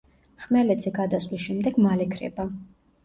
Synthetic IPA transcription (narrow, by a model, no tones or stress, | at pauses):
χmɛlɛd̪zɛɡad̪aslisʃɛmd̪ɛɡmalɛkʰɾɛ̰ba